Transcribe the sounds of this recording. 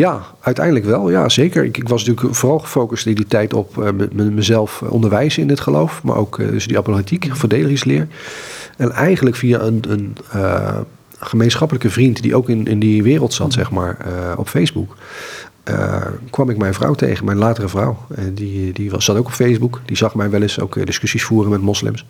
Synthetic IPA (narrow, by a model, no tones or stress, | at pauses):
jaː | œɥtɛjndələkʋɛlˠja̰ːzejkəɹɪ̰kɪkʋɑsntyːləkvoːrɑlˠχəfowkəstɪnditɛjtɔpməməzɛlˠfʔɔ̰ndəɹʋɛjzəɪnɪtχəlowfma̰ɹʔo̰wkdə̰sdiɑpolitikvədejləχɪslɪːɹ | ɛnɛjχənləkfiaənənə | χəmejnsχɑpələkəvrintdḭʔowkɪnɪndiʋɪːrəlˠtsɑtsɛχma̰ːɹɔ̰pfejzbuk | ʔə̰kʋɑmɪkmɛjnvrʌ̰wtḛjχənmɛjnlaːtərəvrɔwdidiʋɑsːɑtowkɔpfejzbukdizɑχmɛjʋɛlɪso̰wkdɪskɵsisfuːrənmɛtmɔslɪ̰ms